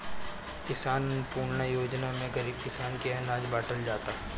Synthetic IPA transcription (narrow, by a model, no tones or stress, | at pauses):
kɪsaːnpuːɾnajoːd͡ʒnamẽɡɐɾiːb̚kɪsaːnkeɛnaːd͡ʒbaːʈəld͡ʒaːt̪aɦɛ